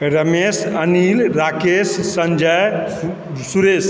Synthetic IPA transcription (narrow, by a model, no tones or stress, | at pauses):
ɾəmesənilɾakesːə̃ɲd͡ʒəj | suɾes